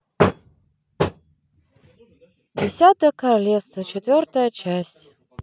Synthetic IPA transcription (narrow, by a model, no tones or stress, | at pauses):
dʲɪsʲat̪əjəkɐɾalʲest̪vət͡ɕɪt̪vʲort̪əjət͡ɕæsʲtʲ